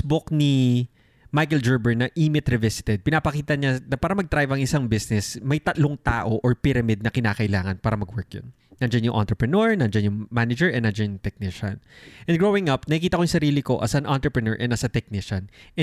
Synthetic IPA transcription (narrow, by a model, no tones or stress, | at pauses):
bʊkni | majkɛld͡ʒuɹbɛɹnɐʔiːmɪt̪ɾɛvɪsɪ̥t̪ɛd̪̚pɪnaːpɐkiːt̪ɐɲanɐpaːɾɐmɐɡ̚t̪ɾajvɐŋɪsaŋbɪsnɛsmɐjt̪ɐt̪loŋt̪aːʔo̞ʔoɹpɪɾɐmɪd̪̚nɐkɪnaːkɐʔɪlaːŋɐnpaːɾɐmɐɡwɛɹk̚jo̰nːɐnd͡ʒanjʊŋʔɐ̰nt̪ɾɛpɹɛnoɹnɐnd͡ʒɐnjʊŋmanɐd͡ʒɛɹɛnːɐnd͡ʒɐnjʊŋt̪ɛk̚nɪʃɐ̰nʔɛnɡɹoːwɪŋʔɐpnɐkɪkiːt̪ɐkojʊŋsɐɾiːlɪko̞ʔɐ̰sɐnʔant̪ɾɛpɹɛnoɹʔɛnɐsɐt̪ɛk̚nɪʃɐn